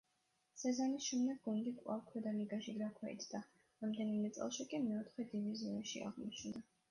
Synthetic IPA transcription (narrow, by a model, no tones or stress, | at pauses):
sɛzanisʃumnɛt̪ɡunɡ̪ikʼwa̰vkʰwɛd̪aliɡaʃiɡɾakʰwɛḭt̪sʰd̪a | ɾamd̪ɛnimɛt̪sʼɛ̰lˠʃikʼimɛɔt̪ʰχwɛd̪iviziɔaʃḭa̰ʁmɔt͡ʃʰnd̪a